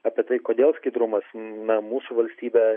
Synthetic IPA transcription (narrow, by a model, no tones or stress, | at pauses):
ɐːpʲiɛt̪ɐɪkoːd̪ʲeːlˠsʲkʲɐɪd̪ɾʊmɐsnɐmuːsuʋɐlʲsʲt̪ʲiːbʲɛ